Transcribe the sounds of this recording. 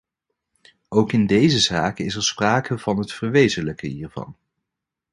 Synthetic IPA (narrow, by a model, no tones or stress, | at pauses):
owkɪndejzəzaːkəɪsɛɹspraːkəv̥ɑnɦətfəɹʋejzələkəɦiːɹv̥ɑ̰n